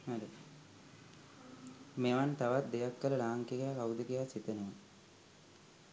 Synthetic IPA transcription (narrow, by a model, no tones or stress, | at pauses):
aɾe | meʋant̪aʋat̪̚d̪ejakːələlaːŋkeɡejaːkawd̪əkijaːsit̪ənəʋa